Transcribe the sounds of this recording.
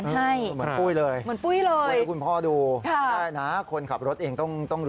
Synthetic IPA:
n˧ha˥˩jmɯ˩˦puː˥˩jlɤː˧jmɯ˩˦ənpu˥˩jlɤː˧jku˧npʰɔː˥˩duː˧kʰa˥˩aː˥˩jna˦˥kʰo˧nkʰa˨˩p̚ɾo˦˥t̪̚ʔeː˧ŋt̪ɔ˥˩ŋt̪ɔ˥˩ŋɾ

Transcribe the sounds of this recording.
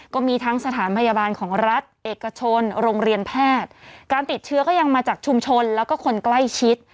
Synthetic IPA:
kɔː˥˩miː˧t̪ʰa˦˥ŋsa˧t̪ʰaː˩˦npʰa˧ja˧baː˧nkʰɔː˩˦ŋɾa˦˥t̪̚ʔeː˨˩kːa˧t͡ɕʰo˧nɾoː˧ŋɾi˧ənpʰɛː˥˩t̪̚kaː˧nt̪i˨˩t̪̚t͡ɕʰɯ˦˥kɔː˥˩ja˧ŋmaː˧t͡ɕaː˨˩k̚t͡ɕʰu˧mt͡ɕʰo˧nlɛː˦˥wkɔː˥˩kʰo˧nkla˥˩jt͡ɕʰi˦˥t̪̚

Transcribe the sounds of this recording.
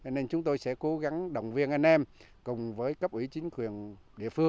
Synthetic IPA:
t͡ɕɔ˧ne˧nt͡ɕʊ˨˦ŋ͡mt̪o˧jsɛ̰˧˥ko˨˦ɣa˨˦ŋɗə̰˧˨wŋ͡mvi˧ənʔa˧jn̟ʔɛ˧m | kʊ˨˩ŋ͡mvəː˨˦jkə˦˥p̚ʔwi˧˩t͡ɕï˨˦ŋ̟kwi˨˩ən | ɗḭ˧˨əfɨ˧əŋ

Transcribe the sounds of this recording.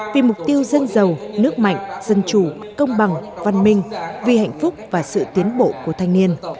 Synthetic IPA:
vi˨˩mʊ˨˩k͡p̚t̪i˧əwzə˧nzə˨˩wnɨ˦˥ək̚ma̰˧˨jŋ̟z̥ə˧nt͡ɕu˨˩ | kə˧wŋ͡mɓa˨˩ŋva˨˩nmï˧ŋ̟vi˨˩ha̰˧˨jŋ̟fʊ˦˥k͡p̚vaː˨˩sɨ̰˧˨t̪i˨˦ənɓo̰˧˨ku˧˩ət̪ʰa˨˩jŋ̟ni˧ən

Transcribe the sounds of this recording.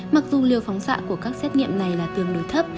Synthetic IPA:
ma˨˩k̚zu˨˩li˨˩əwfɔ˨˦wŋ͡msa̰ː˧˨ku˧˩əkaː˦˥k̚sɛ˦˥t̚ŋḭ˧˨əmna˨˩jlaː˨˩t̪i˨˧˩ənɗo˨˦jt̪ʰə˦˥p̚

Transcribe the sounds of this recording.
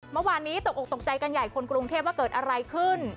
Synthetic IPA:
mɤ˥˩waː˧nːiː˦˥t̪o˨˩k̚ʔo˨˩k̚t̪o˨˩k̚t͡ɕa˧jka˧nja˨˩jkʰo˧nkɾu˧ŋt̪ʰeː˥˩p̚waː˥˩kɤː˨˩t̪̚ʔa˧ɾa˧jkʰɯ˥˩n

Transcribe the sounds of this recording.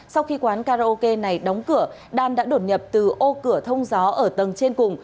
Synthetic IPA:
sa˧wxi˧kwaː˨˦nkaː˧za˧ʔo˧ke˧na˨˩jɗɔ˨˦wŋ͡mkɨ˧˩ə | ɗaː˨˩nɗa̰ː˧˥ɗo˧˩t̚ɲə˨˩p̚t̪ɨ˨˩ʔo˧kɨ˧˩ət̪ʰə˧wŋ͡mzɔ˨˦ʔəː˧˩t̪ə˨˩ŋt͡ɕe˧nkʊ˨˩ŋ͡m

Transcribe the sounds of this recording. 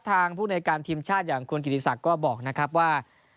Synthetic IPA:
t̪ʰːaː˧ŋpʰuː˥˩na˧jkaː˧nt̪ʰiː˧mt͡ɕʰaː˥˩t̪̚jaː˨˩ŋkʰu˧nki˨˩t̪ʰi˧sa˨˩kːɔː˥˩bɔː˨˩k̚na˦˥kʰɾa˦˥p̚waː˥˩

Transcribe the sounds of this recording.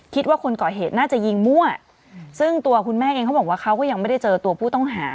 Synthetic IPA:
kʰi˦˥t̪̚waː˥˩kʰo˧nkɔː˨˩ɦeː˨˩t̪̚naː˥˩t͡ɕa˨˩ji˧ŋmu˥˩ɐ | sɯ˥˩ŋt̪u˧ɐkʰu˧nmɛː˥˩ʔeː˧ŋkʰa˦˥bɔ˨˩kwaː˥˩kʰa˦˥wkɔː˥˩ja˧ŋma˥˩jda˥˩jt͡ɕɤː˧t̪u˧ɐpʰuː˥˩t̪ɔ˥˩ŋɦaː˩˦

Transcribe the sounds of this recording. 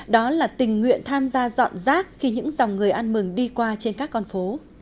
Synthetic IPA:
ɗɔ˨˦laː˨˩t̪ï˨˩ŋ̟ŋwḭ˧˨ənt̪ʰaː˧mzaː˧zɔ̰˧˨nzaː˦˥k̚xi˧ɲɨ̰˧˥ŋza˨˩wŋ͡mŋɨ˨˩əjʔa˧nmɨ˨˩ŋɗi˧kwaː˧t͡ɕe˧nkaː˦˥kːɔ˧nfo˨˦

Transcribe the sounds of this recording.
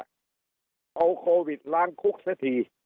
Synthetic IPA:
ʔa˧wkʰoː˧wi˨˩t̪̚laː˦˥˩ŋkʰu˦˥k̚sa˦˥t̪ʰiː˧

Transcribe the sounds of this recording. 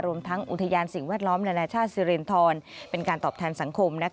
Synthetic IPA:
ɾu˧əmt̪ʰa˦˥ŋʔṵ˨˩t̪ʰa˧jaː˧nsi˨˩ŋwɛː˥˩t̪̚lɔː˦˥mna˧naː˧t͡ɕʰaː˥˩t̪̚si˧ɾi˧nt̪ʰɔː˧npe˧nkaː˧nt̪ɔː˨˩p̚t̪ʰɛː˧nsa˩˦ŋkʰo˧mna˦˥

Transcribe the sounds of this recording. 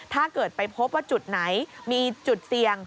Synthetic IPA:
t̪ʰaː˥˩kɤː˨˩t̪̚pa˧jpʰo˦˥p̚waː˥˩t͡ɕu˨˩t̪̚na˩˦jmiː˧t͡ɕu˨˩t̪̚si˨˩əŋ

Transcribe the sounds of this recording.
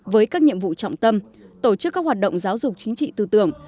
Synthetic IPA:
vəː˨˦jkaː˦˥k̚ɲḭ˧əmvṵ˧˨t͡ɕɔ̰˧˨wŋ͡mt̪ə˧m | t̪o˧˩t͡ɕɨ˦˥kːaː˦˥k̚hwa˨˩t̚ɗə̰˧˨wŋ͡mzaː˨˦wzʊ˨˩k͡p̚t͡ɕï˨˦ŋ̟t͡ɕḭ˧˨t̪ɨ˧˩t̪ɨ˧˩əŋ

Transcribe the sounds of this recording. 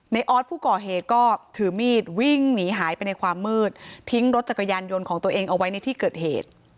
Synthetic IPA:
na˧jʔɔː˦˥t̪̚pʰuː˥˩kɔː˨˩ɦeː˨˩t̪̚kɔː˥˩t̪ʰɯː˩˦miː˥˩t̪̚wi˥˩ŋniː˩˦ɦaː˩˦jpa˧jna˧jkʰwaː˧mːɯː˥˩t̪̚ʰːi˦˥ŋɾo˦˥t̪̚t͡ɕa˨˩kːa˧jaː˧njo˧nkʰɔː˩˦ŋt̪u˧əʔeː˧ŋʔa˧wa˦˥jna˧jt̪ʰiː˥˩kɤː˨˩t̪̚hḛː˨˩t̪̚

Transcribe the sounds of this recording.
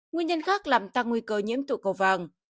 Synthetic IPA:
ŋwi˧ənɲə˧nxaː˦˥k̚laː˨˩mt̪aː˧ŋːwi˧kəː˧ɲḭ˧˥əmt̪ṵ˧˨kə˨˩wva˨˩ŋ

